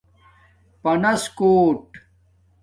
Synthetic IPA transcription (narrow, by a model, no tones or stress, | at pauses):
pɐnɐskoːʈ